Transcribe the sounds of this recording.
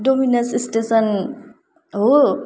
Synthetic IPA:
dominɐnsisʈesən | ɦo

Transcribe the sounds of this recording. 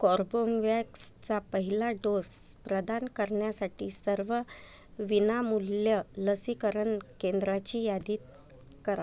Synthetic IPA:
kɔɾboŋʋɛkst͡sapəɦilaɖospɾəd̪ankəɾɳjasaʈiːsəɾʋə | ʋinamuljələsikəɾəɳkend̪ɾat͡ɕiːjad̪iːt̪̚ | kəɾa

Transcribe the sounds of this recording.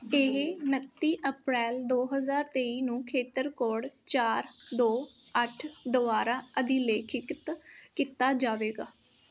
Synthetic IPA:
eɦenət̪ːiːʔəpɾɛːld̪oːɦəzaːɾt̪eːiːnũːkʰeːt̪əɾkoːɽt͡ʃaːɾd̪oːəʈʰd̪oʋaːɾaːəd̪iːleːkʰɪkt̪kiːt̪aːd͡ʒaːʋeːɡaː

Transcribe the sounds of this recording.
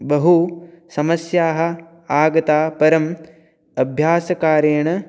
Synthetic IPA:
bɐɦusɐmɐsjaːɦɐ̆ | aːɡɐt̪aːpɐɾɐm | ɐbʱjaːsɐkaːɾeːɳɐ

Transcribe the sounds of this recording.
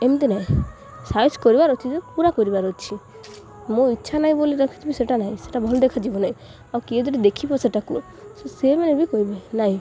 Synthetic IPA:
emt̪enaɦĩ | saiskɔɾibaɾot͡ʃʰid͡ʒepuɾakɔɾibaɾot͡ʃʰi | mõitːʃʰanaɦĩboliɾɔkʰi̥t͡ʃʰibiseʈanaɦĩse̥ʈabʱɔlɔd̪ekʰad͡ʒibɔnaĩ | awkied͡ʒɔʈid̪ekʰibɔseʈakṵ | sesemɛnebikɔɦibenaɦĩ

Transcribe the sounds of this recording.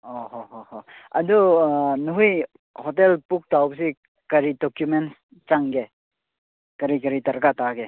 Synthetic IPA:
ɔɦɔɦɔhoɐdunuɦuj | hɔtelpuk̚tawps̬i | kɐɾidɔkjumen | t͡ʃaŋɡe | kɐɾikɐɾitɐɾkataɡe

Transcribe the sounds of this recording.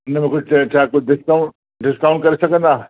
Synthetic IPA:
nɐmẽkʊt͡ʃʰaːkʊɖɪskaʊ̃ɳʈ̚ | ɖɪskaʊ̃ɳʈ̚kɐɾisɐkə̃nd̪aː

